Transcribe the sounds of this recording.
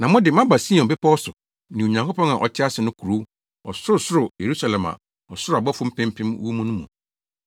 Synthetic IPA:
nã˨mʊ̃˦dɪ˨mã˦ba˨si˦ɔ̃˨m˨pɪ˦pʰɔ˦ɔ˦sʊ˨ | nĩ˨o˨ɲã˨ŋko˦pɔ̃˦ŋa˨ʔɔ˨t͡ɕʰɪ˦a˦sɪ˨nʊ̃˦kʰu˨ɾu˦ | ɔ̰˨sʊ˦ɾʊ˨sʊ˦ɾʊ˨je˨ɾu˦sa˦lɛ̃˨ma̰˨ | ɔ˨sʊ˦ɾʊ˦a˨bɔ˦fʊ̃˦m̩˦pɪ̃˦m̩˦pʰɪ̃˦m˦u˦mũ˦nʊ̃˦mṵ̃˨

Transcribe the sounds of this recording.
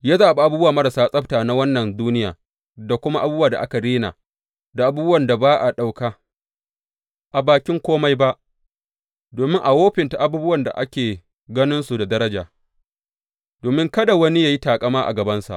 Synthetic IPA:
jaː˦zaː˨ba˨ʔa˦buː˦baː˨mɐ˦ɾa˨saː˦sʼɐ˦p̚taː˨na˦wɐ˦nːɐ˨nduː˦nɪ˦ja̰ː˨ | da˨kʷʊ˦ma˦ʔa˦buː˦bwaː˨da̰˨ʔa̰˦ka˨ɾeː˦na̰ː˨ | da˨ʔa˦buː˦bʊ˦wɐ˨nda˨baː˦ʔa˨ɗa˨wkaː˦ | ʔa˨baː˨kʲɪ˦ŋkʷoː˦ma˦jba˦ʔ | doː˨mɪ˦ŋʔa˨woː˦ɸɪ˨nta˨ʔa˨buː˦bʊ˦wɐ˨nda̰˨ʔa˦kʲeː˨ | ɡɐ˦nɪ˦nsu˨da˨dɐ˦ɾɐ˦d͡ʒaː˨ | doː˨mɪ˦ŋkɐ˦da˨wɐ˦ni˦jaː˦˨ji˦taː˨kʼɐ˦maː˦ʔa̰˨ɡɐ˨bɐ˦nsa̰˨ʔ

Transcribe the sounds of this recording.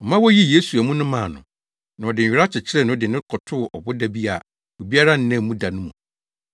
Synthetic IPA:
ɔ˨mã˦wɔ˦ji˦je˦su˨æ˨mũ˦nʊ̃˦mã˨nʊ̰̃˨ | nã˨ɔ˨dɪ̃˨ɾa˦t͡ɕʰɪ˨t͡ɕʰɪ˦ɾɛ˦nʊ̃˦ɔ˦dɪ˨nɪ̃˦kʰɔ˨tʰʊ˦˨ʔɔ˨bʊ˦da˦bi˦a˨ | o˨bi˦a˦ɾa˦n̩˦nã˦˨mũ˦da˨nʊ̃˦mũ˨

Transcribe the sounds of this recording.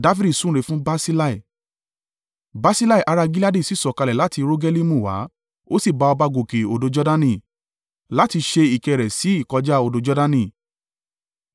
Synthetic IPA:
da˦fi˦di˦˨sũ˦ɾe˧˨fũ˦ba˦si˦la˦i˨ | ba˦si˦la˦i˨ʔa˧ɾa˧ɡi˦la˦di˦˨si˦˨sɔ˨ka˧lɛ˨la˦ti˧ɾo˦ɡɛ˦li˦mũ˦˨wa̰˨˦ | o˦si˦˨ba˧ɔ˧ba˧ɡo˨ke˨o˨do˨˧d͡ʒɔ˦da˦nĩ˧˨ | la˦ti˧ʃe˧i˨kɛ˨ɾɛ˨si˨˦i˦˨kɔ˨˧d͡ʒa˦o˨do˨˧d͡ʒɔ˦dã˦nĩ˧˨

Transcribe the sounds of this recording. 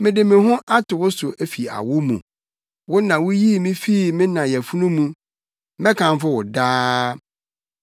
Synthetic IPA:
mɪ̃˨dɪ˨mɪ̃˨ɦʊ̃˦ʔa˦tʰʊ˨wʊ˦sʊ˨ʔæ˦fi˨a̰˨wʊ˦mṵ̃˨ | wʊ˦nã˨wʊ˦ji˦˨mĩ˦fi˦˨mɪ̃˦nã˨jɛ˨fu˦nũ˦mũ˦ | mɛ̃˦kʰã˨m˦fʊ˦wʊ˨daː˦

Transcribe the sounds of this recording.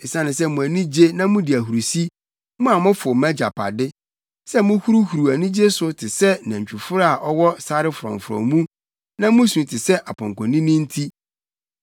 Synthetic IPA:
ɪ˨sã˦nɪ̃˨s̬ɛ˦mũ˨æ˨nĩ˦d͡ʑe˦nã˦mũ˦dɪ˨æ˨ɦu˨ɾu˨si˦ | mʊ̃˦a˨mʊ̃˦fʊ˨mã˦d͡ʑa˨pʰa̰˨dɪ˦ | sɛ˦mʊ̃˦hu˦ɾu˦hu˨ɾu˨æ˨nĩ˦d͡ʑe˦sʊ˦tʰɪ˨sɛ˦nã˨ɲ˨t͡ɕᶣu˨fʊ˦ɾa˦a˨ʔɔ˦wɔ˦sa˦ɾɪ˦fʊ˨ɾɔ̰̃˨ɱfɾɔ̰̃˨mũ˦ | nã˦mũ˦su˨tʰɪ˨sɛ˦ʔa˨pʰɔ̃˨ŋ˨kʰɔ̃˨nĩ˦nĩ˦n̩˦tʰi˦

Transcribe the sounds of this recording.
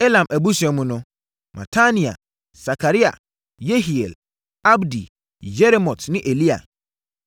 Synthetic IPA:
e˦lã˨mʔæ˨bu˦sɛ˨mũ˦nʊ̃˦ | mã̰˨tʰa˦nĩ˨a̰˨ | sa˨kʰa˨ɾi˦a̰˨ | je˦ɦi˨ɛ˨l | a˦bdi˨ | jɛ˦ɾe˦mɔ˨tnɪ̃˦ʔe˨li˦a̰˨

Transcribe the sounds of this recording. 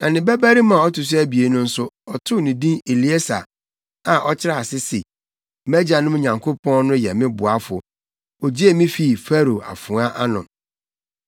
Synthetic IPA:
nã˨nɪ̃˨bæ˦bæ˦ɾi˦mã˨ɔ˦tʊ˨s̬æ˦bi˨e˨˦nʊ̃˦n̩˦sʊ˦ɔ˨tʰʊ˦nĩ˨dĩ˦ne˨li˨˦e˦sa̰˨ | a˨ʔɔ˦t͡ɕʰɪ˦ɾa˦˨sɪ˦si˨˦ | mæ˦d͡ʑa˨nʊ̃˦m˦ɲã˨ŋkʰo˦pʰɔ̃˦nnʊ̃˦jɛ˨mɪ̃˦bʊ˨a˦fʊ˨ | ɔ˨d͡ʑi˦e˦˨mĩ˦fi˦˨fɛ˦ɾo˨a̰˨fʊ̃˨˦a˦ʔa˦nʊ̰̃˨

